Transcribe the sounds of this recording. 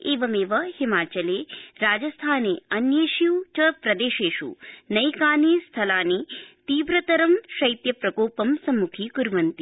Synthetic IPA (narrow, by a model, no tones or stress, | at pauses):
eːʋɐmeːʋɐhimaːt͡ʃɐleːɾaːd͡ʒɐst̪ʰaːneːɐnjeːʃiwt͡ʃɐpɾɐd̪eːʃeːʃṵnɐjkaːniːst̪ʰɐlaːnit̪iːʋɾɐt̪ɐɾɐmʃɐjt̪jɐpɾɐkoːpɐmsɐmːukʰiːkuɾʋɐnt̪i